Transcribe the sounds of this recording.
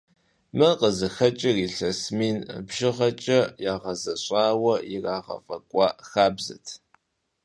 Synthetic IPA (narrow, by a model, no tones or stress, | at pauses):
mɨqəzɨxɐt͡ʃʼɪriːɬɐsmiːnbʒɪʁɐt͡ʃʼɐjaːʁɐzɐɕʷʼaːwɐjɪraːʁɐ̰fʼɐkʷʼɑːxaːbzɐ̰tʰ